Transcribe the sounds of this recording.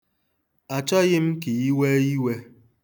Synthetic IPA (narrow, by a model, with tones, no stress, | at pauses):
a˨t͡ʃɔ˦ɣɪ˦m̩˦ki˨i˦we˦i˦we˦